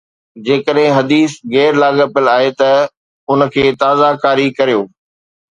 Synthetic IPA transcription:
d͡ʑeːkəɗɦɪ̃ɦɐd̪iːsɣɛːɾlaːɠəpəlaːɦet̪ɐ | ʊnəkʰeːt̪aːzakaːɾikɐɾijoː

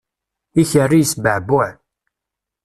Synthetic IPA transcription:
içərːijsbəʕbʊʕ

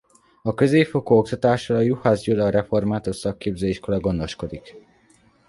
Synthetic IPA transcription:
ɒkø̞zeːfo̞koːok̚t̪ɒt̪aːʃɒlɒjuhazɟulɒːɾɛfo̞rmaːt̪oʃsɒkːeːbzøːiʃko̞lɒɡo̞nd̪o̞ʃko̞d̪ik

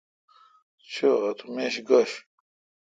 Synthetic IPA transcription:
t͡ɕʰoɐt̪ʰumeːɕɡɐɕ

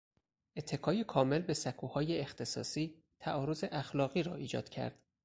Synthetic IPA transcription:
ʔe̞t̪ʰːe̞kʰɒːjekʰɒːme̞lbe̞sækʰuːhɒːjeext̪ʰe̞sɒ̰ːsiː | t̪ʰæʔɒːɾo̞ze̞ʔæxlɒːɣiːɾɒ̰ːiːd͡ʒɒ̰ːd̪̥cʰæ̰ɾd̪̥

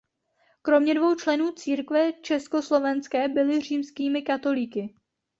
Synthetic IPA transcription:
kɾo̞mɲɛdvo̞wt͡ʃlɛnuːt͡siːɾkvɛt͡ʃɛsko̞slo̞vɛnskɛːbɪlɪr̝iːmskiːmɪkat̪o̞lɪkɪ

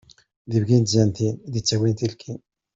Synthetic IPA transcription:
ðivɡint̪zænt̪inðit͡sːæwint̪ilkʰin

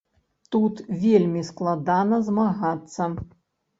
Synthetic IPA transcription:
t̪ut̪vʲelʲmʲisklˠad̪anɐzmaɣat̪sːɐ

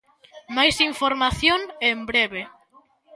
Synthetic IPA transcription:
majsiɱfoɾmaθjoŋembɾeβe

